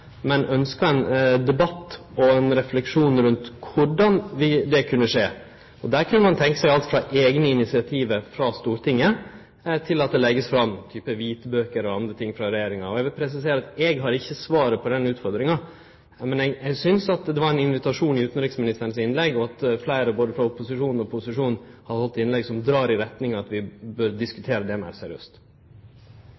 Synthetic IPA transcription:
mɛnœnskɑɛnd̪ɛbɑt̪ːɔɛnɾɛflɛkʂuːnɾʉnt̪kʰʊɖɑnʋɪd̪ɛkʰʉnːəʂeː | ɔd̪æɾkʰʉnːəmɑnt̪ʰɛŋkəsɛɪɡɑlt̪fɾɑʔeɡnəɪnɪt̪sɪɑt̪ʰiːʋəɾfɾɑst̪uːɾt̪ʰɪŋːə | t̪ʰɪlɑt̪̚d̪ɛlɛɡːəsfɾɑmt̪ʰyːpəʋiːt̪bøːkəɾɔɑnd̪ɾət̪ʰɪŋːfɾɑɾɛjeːɾɪŋɑ̰ɔɛɡʋɪlpʰɾɛs̬ɪs̬eːɾɑt̪ɛːɡɦɑɾɪçːəsʋɑːɾəpʰɔd̪ɛnʉːt̪fɔɾd̪ɾɪŋɑ | mɛnɛɡɛɡsʏnsɑt̪d̪ɛʋɑɾɛnɪnʋɪt̪ɑʂuːnɪʉːt̪n̩ɾɪksmɪnɪst̪əɳnəsɪnlɛɡːɔɑt̪flæɪɾəboːd̪əfɾɑʊpʊsɪʂuːnɔpʰʊsɪʂuːnhɑd̪əhɔlt̪ːɪnlɛɡsɔmd̪ɾɑːɾɪɾɛt̪nɪŋɑt̪ʋɪbøɾd̪ɪskʉ̥t̪ʰeːɾəd̪ɛmæ̰ɾsɛɾɪø̰ːst̪

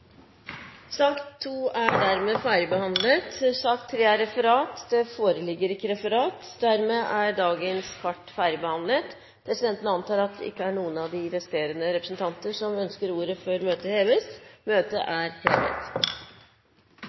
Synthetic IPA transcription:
sɑːkt̪ʰːuːæɖæɾmeːfæːɾəbəhɑnlət̪sɑːkt̪ʰːɾeːæɾɛfəɾɑːt̪d̪ɛfoːɾəlɪɡːəɾɪkːəɾɛfəɾɑːt̪ | d̪æɾmeːʔæɖɑːɡənskʰɑʈːfæːɾɪbəhɑnlət̪ | pʰɾɛsɪd̪ɛnt̪ənəɑnt̪ɑːɾɑt̪̚ɪ̰kːəæɳuːənɑʋd̪ɪʋɛst̪eːɾənəɾɛpɾəsnt̪ʰɑnt̪əʂɔmœnskəɾuːɾəfɔɾmøːt̪əheːʋəsmøːt̪ə̰ʔæɾheːʋḛt̪

